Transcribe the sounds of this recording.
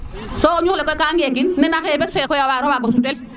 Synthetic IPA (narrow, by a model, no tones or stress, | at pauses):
sɔɔɲuklɛkɔkaŋek̬inːɛnakɛbɛsɛkɔjawaɾɔwaɡɔsumtɛl